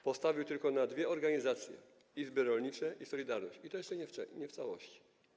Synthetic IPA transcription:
pɔst̪avʲiwt̪ɘlkɔnad̪vʲjɛɔɾɡaɲizat̪sʲjɛ̰ | izbɘɾɔlɲit͡ʂɛʔisɔlʲid̪aɾnɔ̰ɕt͡ɕit̪ɔjɛʂt͡ʂɛɲɛɛɲɛft̪sawɔɕt͡ɕi̥

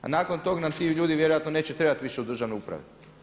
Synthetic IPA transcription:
a̰naːkont̪o̞ɡnamt̪iʎuːd̪iʋje̞ɾojat̪no̞ne̞ːt͡ɕet̪ɾe̞bat̪ʋiʃe̞ud̪ɾr̩ʒaʋnoupɾa̰ʋe

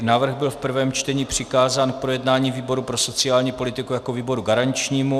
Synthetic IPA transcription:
naːvr̩ɣbɪlfpr̩vɛːmt͡ʃt̪ɛɲiːpr̝̥ɪkaːzaːnk̚pɾo̞jɛdnaːɲiːviːbo̞ɾupɾo̞so̞t͡sɪaːlɲiːpo̞lɪt̪ɪkujako̞viːbo̞ɾuɡaɾaɲt͡ʃɲiːmu

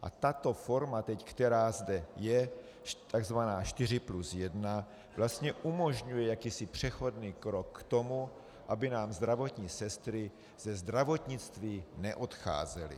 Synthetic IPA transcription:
ʔa̰t̪at̪o̞fo̞ɾmat̪ɛckt̪ɛɾaːzdɛjɛ | t̪aɡzvanaːʃt̪ɪrɪplusjɛdna | vlast̪ɲɛʔumo̞ʒɲujɛjakiːsɪpr̝̥ɛxo̞dniːkɾokːt̪o̞mu | ʔabɪnaːmzd̪ɾavo̞t̪ɲisɛst̪ɾɪ | z̥ɛzd̪ɾavo̞t̪ɲɪt͡st̪viːnɛʔot̪xa̰ːzɛlɪ̰

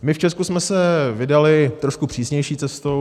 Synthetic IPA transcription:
mɪft͡ʃɛskusmɛsɛvɪdalɪt̪ɾoʃkupr̥iːsɲɛjʃiːt͡sɛst̪o

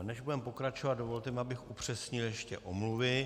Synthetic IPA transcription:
nɛʒbudɛmpo̞kɾat͡ʃovad̪̚dovo̞lt̪ɛmɪabɪxʔupr̝̥ɛsɲɪljɛʃcɛ̰ʔomluvɪ

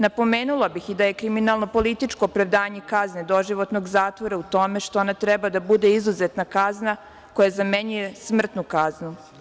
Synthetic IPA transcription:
napo̞meːnulabixid̪aje̞kɾiminalˠno̞po̞lit̪it͡ʃko̞ːpɾaʋd̪aːɲe̞kazne̞d̪o̞ʒiʋo̞t̪no̞ɡzaːt̪ʋo̞ɾaut̪o̞me̞ʃt̪oonat̪ɾɛbad̪abud̪e̞izuzet̪nakazna | ko̞jazameɲujesmr̩t̪nukaznu

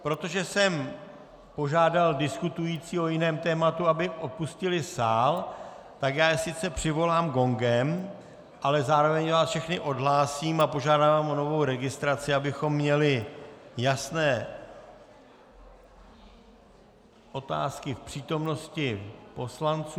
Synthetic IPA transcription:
pɾo̞t̪o̞ʒɛsɛm | po̞ʒaːdaldɪskut̪ujiːt͡siːo̞jɪnɛːmt̪ɛːmat̪uabɪʔo̞puscɪlɪsaːl | t̪akjaːjɛsɪt͡sɛpr̝̥ɪvo̞laːmɡo̞ŋɡɛm | ʔalɛzaːɾo̞vɛɲvaːsfʃɛxnɪʔo̞dɦlaːsiːmapo̞ʒaːdaːvaːmʔo̞no̞vo̞wɾɛɡɪst̪ɾat͡sɪabɪxo̞mːɲɛlɪjasnɛː | ʔo̞t̪a̰ːskɪfpr̝̥iːt̪o̞mno̞scɪpo̞slant͡su

